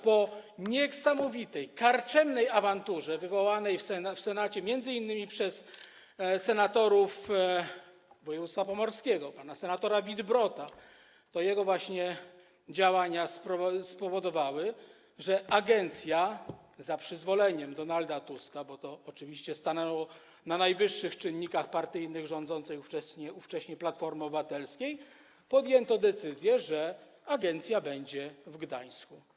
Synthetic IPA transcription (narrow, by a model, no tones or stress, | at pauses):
pɔɲɛsamɔvʲit̪ɛjkaɾt͡ʂɛmnɛjavant̪uʐɛvɘvɔwanɛjfsɛnafsɛnat͡ɕɛmʲjɛnd̪zɘinːɘmʲipʂɛs | sɛnat̪ɔɾuf | vɔjɛvut̪st̪fapɔmɔɾskʲɛɡɔpanasɛnat̪ɔɾavʲid̪bɾɔt̪a | t̪ɔjɛɡɔvwaɕɲɛ | d͡ʑawaɲaspɔspɔvɔd̪ɔvawɘ | ʐɛʔaɡɛnt̪sʲja | zapʂɘzvɔlɛɲɛmd̪ɔnald̪at̪uskabɔt̪ɔːt͡ʂɘvʲiɕt͡ɕɛst̪anɛwɔ | nanajvɘʂːɘxt͡ʂɘnːikaxpaɾt̪ɘjnɘɣʐɔnd̪zɔnt̪sɛjuft͡ʂɛɕɲɛuft͡ʂɛɕɲɛplat̪fɔɾmɔbɘvat̪ɛlskʲej | pɔd̪jɛnt̪ɔd̪ɛt̪sɘzʲjɛʐɛ | aɡɛnt̪sʲjabɛɲd͡ʑɛvɡd̪aɲ̃sku